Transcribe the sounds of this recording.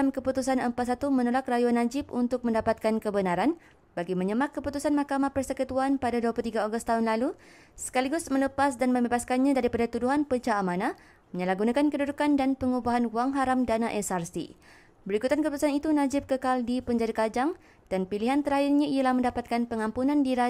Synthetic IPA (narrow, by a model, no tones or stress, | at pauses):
mkəput̪usanəmpat̪̚sat̪umə̃nolak̚rajuanːãd͡ʒɪp̚unt̪ʊk̚mə̃ndapat̪̚kankəbənaɾan | baɡimə̃ɲəmãkkːəput̪usanmakamahpərsəkət̪uanpadaduaplut̪iɡaaɡʊst̪aɦunlalu | sə̥kaliɡʊsmə̃ləpasdanmə̃mbebaskanɲãdaɾipadat̪uduɦanpəd͡ʒaːmãnã | mə̃ɲəlaɡunãkankədudukandanpəŋubaɦanwaŋɦaɾamdanaʔɛsarsḭ | bəɾikut̪ankəput̪usanit̪unãd͡ʒɪp̚kəkaldipəɲd͡ʒadakad͡ʒaŋ | d̥anpiliɦant̪əɾaɪrɲaialahməndapat̪̚kanpəŋampunãndiɾa